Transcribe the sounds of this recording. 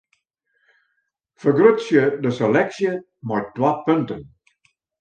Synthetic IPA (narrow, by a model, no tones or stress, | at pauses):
fəɡrøtsjədəsɛlɛksjə | majtwapɵntən